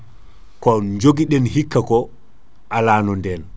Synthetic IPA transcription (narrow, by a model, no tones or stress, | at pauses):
kɔɲd͡ʒoɡiɗɛnhikːakɔ | ʔalaːnɔndɛn